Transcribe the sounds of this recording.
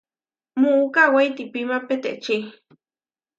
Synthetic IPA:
muʔukawejt̪ipimapet̪eʔt͡ʃi

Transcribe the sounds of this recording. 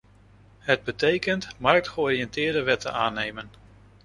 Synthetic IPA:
ɦəd̚bətejkəntmɑɹk̚tχəɔːrijɛntɪːɹdəʋɛtə̰naːnejmən

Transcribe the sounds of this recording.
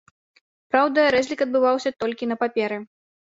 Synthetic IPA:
pɾawd̪ɐɾɛzʲlʲikɐd̪̚bɨvawsʲɐt̪ɔlʲkʲinɐpapʲɛɾɨ

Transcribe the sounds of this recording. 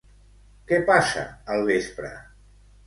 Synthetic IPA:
kɛpasə̰əlˠβespɾə̰

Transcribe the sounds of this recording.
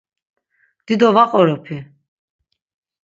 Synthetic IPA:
d̪̥id̪ɔvaqʼɔɾɔpʰi

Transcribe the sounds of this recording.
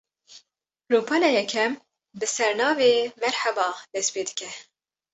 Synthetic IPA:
ɾopʰɑːlɛjɛkʰɛm | bɨsɛɾnɑːveːmɛɾħɛbɑːd̪̥ɛspeːd̪ɨ̥kɛ

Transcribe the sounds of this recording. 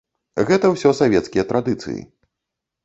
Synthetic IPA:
ɣɛt̪ɐwsʲɔsavʲɛt̪skʲijɐt̪ɾad̪ɨt̪sɨ̰jḭ

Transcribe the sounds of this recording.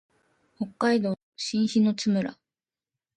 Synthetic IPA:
ho̞kːaid̪o̞ː | ɕĩɰ̃çino̞t͡sɨmɯ̟ɾa̰

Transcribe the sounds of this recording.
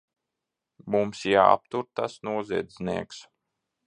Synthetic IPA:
mumsja̰ːa̰p̚t̪uɾt̪asnuɔziɛd̪zʲnḭɛks

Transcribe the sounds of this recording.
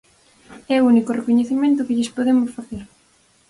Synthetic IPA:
ɛunikorekoɲeθimẽnt̪̬ʊkɪʎɪspoðemʊsfaθeɾ

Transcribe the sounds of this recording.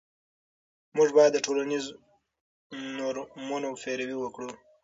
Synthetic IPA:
muʐbajad̪ːəʈʰolaniz | noɾmunofeɾawiwəkɽu

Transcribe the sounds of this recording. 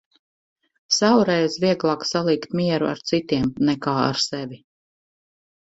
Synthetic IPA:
sawɾɛjzviɛɡlˠaːksalˠiːkt̪miɛɾuʔa̰ɾt̪sit̪iɛmnɛkaːa̰ɾsɛvi

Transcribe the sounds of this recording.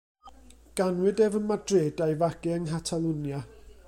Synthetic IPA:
ɡ̥anwɨdɛvənmadreːdajvaɡ̥ɨəŋɦatʰalˠunja

